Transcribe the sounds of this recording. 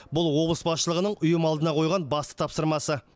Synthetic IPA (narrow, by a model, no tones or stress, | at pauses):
bʊlˠwo̞blˠəsbɑsʃəlˠəʁənəɴʊjəmɑlˠd̪ənɑqʰo̞jʁɑnbɑst̪ə̥t̪ʰɑpsəɾmɑsə